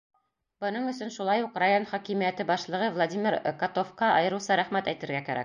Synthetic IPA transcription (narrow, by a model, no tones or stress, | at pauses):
bɤ̆nɤɴɵ̆sɵnʃulˠɑjuqrajo̞nχɒkimijæt̪ɘbɑʃlˠɤ̆ʁɤvlˠad̪ʲimʲɪɾkɒt̪ofqɑʔɑjɤ̆ɾɤ̆sɑɾæχmæt̪æjt̪ɘ̆ɾɡækæɾæ̰k̚